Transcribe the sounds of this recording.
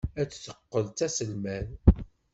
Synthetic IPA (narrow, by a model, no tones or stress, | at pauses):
æt͡sːθə̥qːəlt̪æsəlmæn